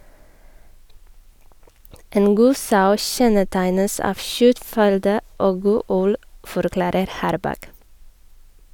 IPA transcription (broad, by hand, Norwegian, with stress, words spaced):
ˈeːn ˈɡuː ˈsɑʉ ˈçɛnəˌtæɪnəs ˈɑːʋ ˈçœtˌfʏldə ˈoːɡ ˈɡuː ˈʉl fɔɾˈklɑːɾəɾ ˈhɑːɾbɑk